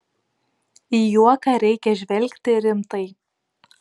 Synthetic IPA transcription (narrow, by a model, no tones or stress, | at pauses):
ijuɔkɑɾʲɛɪkʲɛʒʲʋʲɛlʲkʲt̪ʲɪɾʲɪmt̪ɐɪ